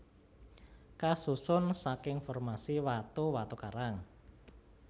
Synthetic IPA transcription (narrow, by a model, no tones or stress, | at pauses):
kasusʊnsakɪŋfɔrmasiwat̪uwat̪ukaɾaŋ